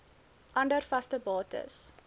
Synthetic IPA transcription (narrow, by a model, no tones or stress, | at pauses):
ʔɐndərfɐstəbɑːtə̰s